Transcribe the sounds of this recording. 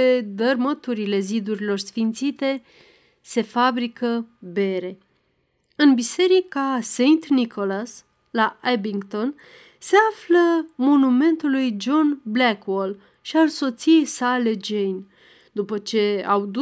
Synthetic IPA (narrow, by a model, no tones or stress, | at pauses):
ed̪ərmət̪uɾile̞zid̪uɾilo̞rsfint̪sit̪e̞ | se̞fabɾikəbe̞ɾe̞ | ɨnbise̞ɾikasejnt̪niko̞las | laebiŋɡt̪o̞n | se̞afləmo̞nume̞nt̪ulujd͡ʒo̞nblakwol | ʃialso̞t̪sije̞jsale̞d͡ʒejn | d̪upət͡ʃe̞a̰wd̪u